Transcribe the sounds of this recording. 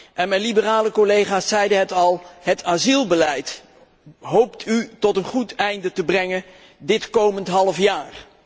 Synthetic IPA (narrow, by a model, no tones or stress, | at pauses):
ʔɛnmɛjnlibəraːləkolejχaːsːɛjdəɦətɑlˠhətaːzilˠbəlɛjt | ɦowptʰytɔtənχutɛjndətəbrɛŋən | dɪtkowməntɦɑlˠəfjaːr